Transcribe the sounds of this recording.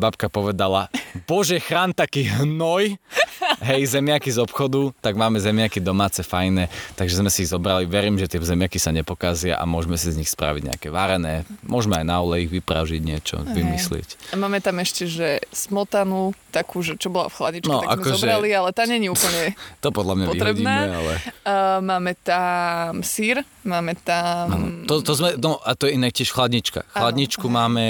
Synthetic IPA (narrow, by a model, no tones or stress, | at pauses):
bapkapɔʋɛd̪alab̥ɔʒɛxɾaːnt̪akiːɦnɔj | ɦɛjzɛmɪakizɔpxɔd̪ut̪aɡmaːmɛzɛmɪakid̪ɔmaːt͡sɛfajnɛt̪aɡʒɛzmɛsiizɔbɾaliʋɛɾiːmʒɛt̪ɪɛzɛmɪakisaɲɛpɔkazɪa̰ʔa̰mʊɔʒmɛsizɲixspɾa̰ʋiɟɲɛ̰a̰kɛʋaɾɛnɛːmʊɔʒmɛajnaɔlɛiɣʋipɾa̰ʊʒiɟɲɪɛt͡ʃɔ̰ʋimislɪɛ̰camaːmɛt̪amɛʃcɛʒɛsmɔt̪anut̪akuːʒɛt͡ʃɔbɔla̰fxladɲit͡ʃnɛɔkʔa̰kkɔzɔʒbɛɾalialɛt̪aːɲɛɲiupl̩ɲɛt̪ɔpɔd̪lamɲaɔiɾɛbɟiːnamːɛalɛmaːmɛt̪amsiɾ | maːmɛt̪aman̰t̪ɔt̪ɔzmɛnɔʔat̪ɔjɛinak̚cɪɛʃfxlad̪ɲit͡ʃka̰xlad̪ɲit͡ʃkkumaːmɛ